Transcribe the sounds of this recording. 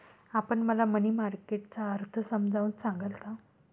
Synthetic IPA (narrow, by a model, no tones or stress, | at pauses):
apəɳməlamənimaɾkeʈ̚t͡saəɾt̪ʰəsəmd͡zʱaunsaŋɡəlka